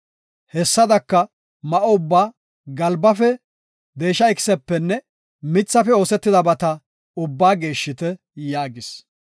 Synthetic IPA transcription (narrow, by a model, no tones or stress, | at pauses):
hɛsːɐd̪ɐkːɐ | mɐʔoʊbːaː | ɡɐlbɐfɛ | d̪e̞ːʃːɐɪkɪ̥sɛpːɛnːɛ | mɪt͡sːɐfɛo̞ːsɛt̪ːɪd̪ɐbɐt̪ɐ | ʊbːaːɡe̞ːʃːɪt̪ɛ | jaːɡɪs